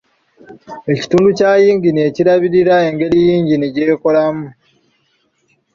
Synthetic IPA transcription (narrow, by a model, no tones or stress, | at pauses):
e̞ci̥tuːnducaːjiːɲɡine̞ːciɾaβiɾiɾae̞ŋɡe̞ɾijiːɲɟiniɟe̞ːko̞lamu